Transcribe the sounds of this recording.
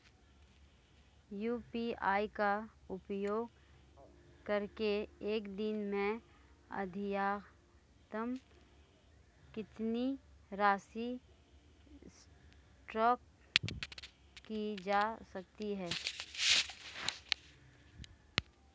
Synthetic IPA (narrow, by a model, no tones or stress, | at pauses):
juːpiaːikaʊpjoːɡ | kɐɾkeeːkd̪ɪnmẽ | ɐ̰d̪ʱɪjaː | t̪əm | kɪt̪niɾaːsi | s | ʈɔːk | kːid͡ʒaːsɐk̚t̪iɦɛː